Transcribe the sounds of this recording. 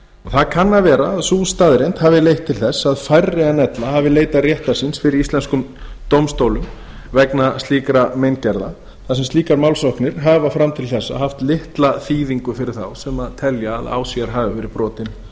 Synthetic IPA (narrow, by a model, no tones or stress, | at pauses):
ɔθaðkʰanːavɛːɾaːðsuːst̪aðɾent̪haːvɪlejht̪ʰːɪlθɛsːaðfajrːɪanɛt̪laɦavɪleːjt̪arjɛht̪asinsfɪɾɪɾist̪ɛnskʏmt̪owmst̪owlʏm | vɛknast̪iːkɾamejncɛɾða | θas̬ɛmst̪iːkaɾmawlsowhknɪɾ̥ɦavafɾamt̪ʰɪlθɛsːa̰ɦaft̪lɪht̪laθiːðiŋkʏfɪɾɪɾ̥θa̰wsɛmaðt̪ʰɛljaːða̰ːwsiaɾɦaːvɪvɛɾɪpɾɔːt̪ɪn